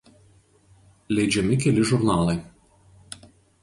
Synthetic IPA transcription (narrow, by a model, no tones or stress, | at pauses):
lʲɛɪd͡ʒʲɛmʲɪkʲɛlʲɪʒʊɾnɑːlˠɐɪ